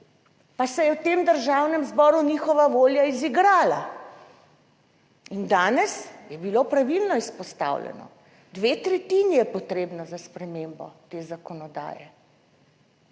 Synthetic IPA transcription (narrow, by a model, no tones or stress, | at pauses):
pasɛjɛwt̪eːmd̪əɾʒawnɛmzbɔɾuniːxɔʋaʋoːljaiziɡɾaːla | ind̪aːnɛsjɛbilopɾaʋilnɔispɔst̪a̰wlɛ̰nɔ̰ | d̪ʋeːt̪ɾɛt̪iːnijɛpɔt̪ɾeːbnɔzaspɾɛmeːmbɔ̰t̪eːzakɔnɔd̪a̰ːjɛ̰